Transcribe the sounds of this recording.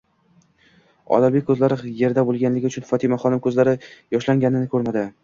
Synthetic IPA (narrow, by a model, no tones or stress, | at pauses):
ɒ̰lalbekʲkʰːɵzlaɾɪje̞ɾd̪abolˠɡʲanlɪɡʲɪʊt͡ʃʰʊnfɒt̪ʰɪmaχɒnɪmkʰɵzlaɾɪjɒʃlaŋʲanɪnɪkʰɵɾmad̪ɪ